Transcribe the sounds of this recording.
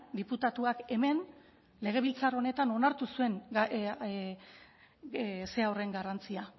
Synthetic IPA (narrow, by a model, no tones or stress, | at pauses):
d̪iput̪at̪uake̞me̞n | le̞ɣ̞e̞βilt͡saro̞ne̞t̪ano̞naɾt̪usue̞ŋ | seawre̞ŋɡarant͡sia